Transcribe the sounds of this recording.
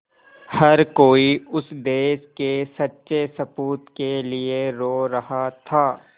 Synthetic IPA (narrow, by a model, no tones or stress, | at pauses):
hɐɾkoːiʊsd̪eːʃkesɐtːʃesɐpuːt̪kelieɾoːɾɐɦat̪ʰaː